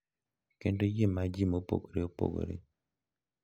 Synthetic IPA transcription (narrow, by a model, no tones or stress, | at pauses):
kendojemad͡ʒimopo̰ɡoɾeopo̰ɡo̰ɾḛ